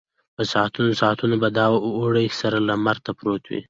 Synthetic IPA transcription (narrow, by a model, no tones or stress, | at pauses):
pəsɑt̪unosɑt̪unobad̪ɑoɽəsaɾalamaɾt̪apɾot̪wḭ